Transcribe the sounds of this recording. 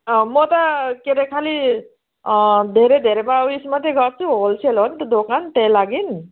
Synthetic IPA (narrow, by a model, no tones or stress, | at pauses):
mʌt̪ʌkeɾekʰali | d̪ʱeɾed̪ʱeɾebauismat̪eɡʌrt͡sʰuɦolt͡sʰelɦont̪od̪okant̪ejlaɡin